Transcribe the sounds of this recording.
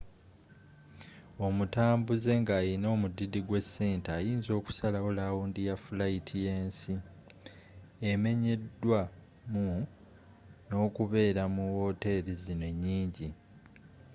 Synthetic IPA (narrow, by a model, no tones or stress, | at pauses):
o̞mutaːmbuze̞ŋɡaːjino̞ːmudidiɡwe̞sːe̞ːntajiːnzo̞ːku̥salaolawuːndijafulaitʰije̞ːnsi | eme̞ɲe̞dːwa | mu | no̞ːkuβe̞ːɾamuwo̞ːte̞ɾizine̞ɲːiːɲɟi